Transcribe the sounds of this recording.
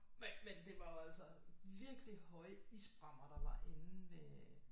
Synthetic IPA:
memend̥e̝ʋɑ̈jo̝ælsəʋiɐɡ̥lihɒ̽ɪəisb̥ʁɑ̈m̰ɐd̥ɑ̈ʋɑ̈ʔe̝nn̩ʋe

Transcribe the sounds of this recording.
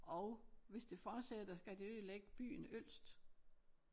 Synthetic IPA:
ʔɒ̽ʊʋe̝sd̥e̝fɒ̥ːsed̥ɐsɡ̥æd̥e̝øðleɡ̥əb̥y̰ːn̩øl̰sd̥

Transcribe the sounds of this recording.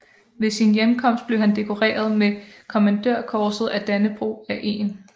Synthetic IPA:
ʋe̝sinjemkʰɒ̽m̰sd̥b̥le̝ʊhænd̥e̝kʰo̝ʁḛːɐð̞ˠmekʰo̝mænd̥øɐ̰kʰɒːsð̞̩ˠæd̥ænəb̥ʁo̝̰ːæʔe̝̰ːn

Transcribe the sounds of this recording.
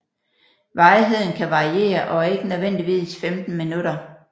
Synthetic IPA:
ʋɑ̈ɪɦe̝ð̞̰ˠn̩kʰæʋɑ̈ʁie̝̰ːɐʔɒ̽e̝ɡ̥ənøðˠʋen̰d̥iʋḭːsfemd̥n̩minuɾɐ

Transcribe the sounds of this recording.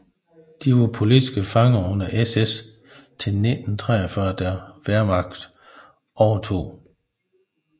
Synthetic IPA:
d̥iʋɑpʰo̝lidisɡ̥əfɑ̈ŋɐɔnɐʔeses | t͡sʰe̝lne̝d̥n̩t͡sʰʁɛːɐfɶɐd̥æɐʋæɐmɑ̈ɡ̥d̥ | ɒːt͡sʰo̝̰ː

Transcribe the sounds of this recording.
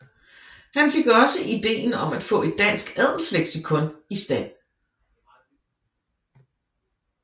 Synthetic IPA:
hænfe̝ɡ̥ɒ̽səʔid̥e̝̰ːnɒ̽mæd̥fɔ̰̽ːe̝d̥̚ːæn̰sɡ̥æðˠl̩sleɡ̥sikʰɔ̽nisd̥æn̰

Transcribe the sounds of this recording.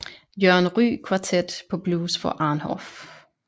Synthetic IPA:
jœɐnʁy̰ːkʰʋɑ̈t͡sʰed̥pʰɒ̽b̥luːsfɒʔɑ̈ːnhɒ̰f

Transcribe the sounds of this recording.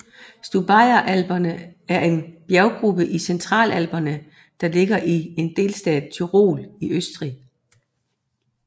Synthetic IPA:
sd̥ub̥ɑ̈ɪɐʔæl̰b̥ɐnəæɐe̝nb̥jæʊɡ̥ʁub̥əʔisent͡sʰʁɑ̰̈ːlæl̰b̥ɐnə | d̥ɑ̈le̝ɡ̥ɐʔie̝nd̥e̝̰ːlsd̥ɛ̰ːðˠt͡sʰyʁo̝̰ːliøsd̥ʁi

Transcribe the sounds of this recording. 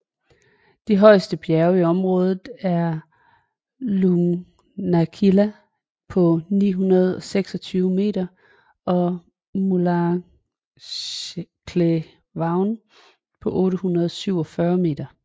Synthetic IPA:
d̥iɦɒ̽ɪ̰sd̥əb̥jæɐʊiɒ̽mʁɔ̽ːð̞ˠð̩ˠæɐ | luŋ | nækʰilæ | pʰɒ̽nḭːɦunɐð̞̩ˠɒ̽seɡ̥sɒ̽t͡sʰyːʊme̝̰ːd̥ɐ | ɒ̽ | mulɑ | kʰle | ʋɑ̈ʊn | pʰɒ̽ʔɔ̽ːɾəhunɐð̞̩ˠɒsyʊ̰ɒ̽fɶːɐme̝̰ːd̥ɐ

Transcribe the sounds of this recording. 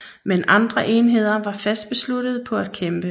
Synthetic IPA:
menɑ̈nd̥ʁɐʔe̝ːnɦe̝ð̞̰ˠɐʋɑ̈fæsd̥̚b̥e̝sluɾ̥əð̞ˠpʰɒ̽æd̥̚kʰemb̥ə

